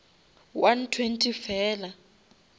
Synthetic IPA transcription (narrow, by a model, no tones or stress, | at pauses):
wantʰwentʰifɛːla